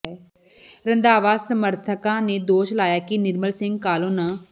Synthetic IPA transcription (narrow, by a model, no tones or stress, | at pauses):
ɛː | ɾənd̪aːʋaːsəməɾt̪ʰəkãːneːd̪oːʃlaːjaːkɪnɪɾməlsɪ̃ŋɡ̚kaːloːnãː